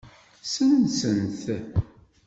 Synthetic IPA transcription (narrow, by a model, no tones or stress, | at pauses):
sənsənθ